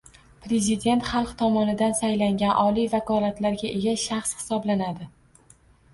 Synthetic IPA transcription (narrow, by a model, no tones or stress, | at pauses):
pɾe̞zɪd̪e̞nt̪χɑlˠqt̪ʰɒmɒnɪd̪ansajlaŋɡʲanʔɒlijvakʰɒlat̪laɾɡʲaʔe̞ɡʲaʃaχshɪ̥sɒblanad̪ɪ